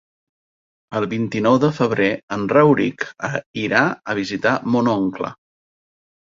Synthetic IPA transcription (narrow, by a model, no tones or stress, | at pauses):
əlˠβint̪inɔwðəfəβ̞ɾeənrɛwɾikəiɾaəβ̞izit̪amonoŋklə̰